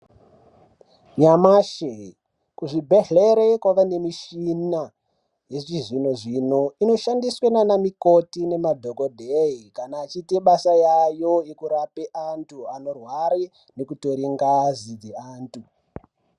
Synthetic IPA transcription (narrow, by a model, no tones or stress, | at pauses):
ɲamaːʃe | kuʐibʱeɦe̞ɾekwaʋane̞miʃina | je̞t͡ʃiʐino̞ʐino̞inoʃandiswenanamikotine̞madʱo̞ko̞dʱeikanaːt͡ʃiteɓasajajo̞ekuɾapeʔantʰuano̞rwaɾe | ne̞kuto̞ɾiŋɡazid͡zeaːntu